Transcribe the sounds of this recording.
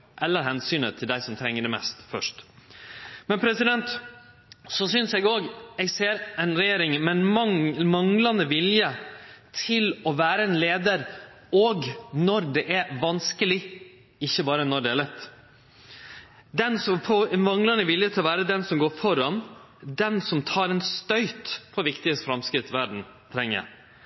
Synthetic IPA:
ʔɛlːəɾɦɛnsyːnət̪ʰɪld̪æɪsɔmt̪ʰɾɛŋːəɖɛmɛ̰st̪fœ̰ʂʈ | mɛnpʰɾɛsɪd̪ɛnt̪ | sɔsʏnsɛɡoːɡɛɡseːɾɛnɾɛjeːɾɪŋmɛnmɑŋmɑŋlɑnəʋɪljət̪ʰɪlɔʋæːɾəɛnleːd̪əɾ | ɔɡnɔɾd̪ɛʔæʋɑnskəlɪ | ɪçːəbɑːɾənɔɖ̪ɛælɛt̪ː | d̪ɛnsɔmpʰɔmɑŋlɑnəʋɪljət̪ʰɪlɔʋæːɾəd̪ɛnsɔmɡoːɾfɔɾɑn | d̪ɛnsɔmt̪ʰɑːɾɛnst̪œʏt̪pʰɔʋɪkt̪ɪəsfɾɑmskɾɪt̪ːʋæɖɳ̩ | t̪ʰɾɛŋːə̰

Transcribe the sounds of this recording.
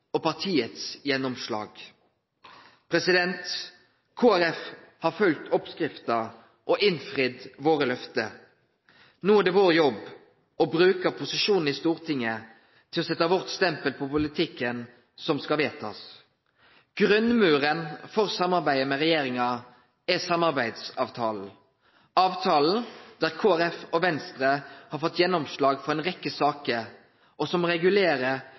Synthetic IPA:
ɔpɑʁt̪ʰiːət̪sjɛnːɔmʃlɑ̰ːɡ | pʰɾɛsɪd̪ɛnt̪ | kʰoːæɾɛf | hɑːɾfœlt̪ʰɔpskɾɪft̪ə | ʔɔʔɪnfʁɪd̪ʋoːʁəlœft̪ə | nuːæd̪ɛʋoːɾjɔb | ɔbɾʉːkəpʰʊsɪʂuːnn̩ɪst̪uːʁt̪ʰɪŋːə | t̪ʰɪlɔsɛt̪ːəʋɔʁt̪st̪ɛmpəlpʰɔpʊlɪt̪ʰɪkːən | sɔmskɑʋeːt̪ʰɑ̰s | ɡ̥ɾʉnmʉːʁənfɔʁsɑmːɑʁbæɪəmɛʁɛjeːɾɪŋɑ | ɛsɑmɑʁbæɪd̪sɑːʋt̪ʰɑːl̩ | ɑːʋt̪ʰɑːln̩d̪̥æːʁkʰoːæɾɛfɔʋɛnst̪ɾəhɑɾfɔt̪ːjɛnːɔmslɑːɡfɔɾɛɪnʁɛkːəsɑːkə | ʔɔsɔmʁɛɡʉleːɾə

